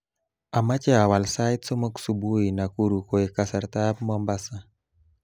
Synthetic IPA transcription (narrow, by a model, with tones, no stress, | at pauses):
a˨ma˦t͡ʃɛ˦a˨wa˨lsa˦jt̪so˦mo˦ksu˨bu˦i˨na˨ku˦ɾu˨ko˨e˨ka˨sa˨ɾt̪a˦pmɔmba˦sa˨